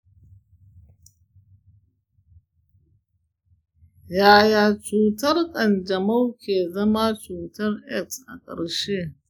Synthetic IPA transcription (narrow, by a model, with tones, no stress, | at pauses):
jaː˨jaː˨t͡ʃuː˨tɐ˦rkʼɐ˨nd͡ʒɐ˨ma˦wkʲeː˨zɐ˦ma˦t͡ʃuː˨tɐ˦rʔɛ˦˨ksʔa̰˨kʼɐ̰˨ɽʃeː˦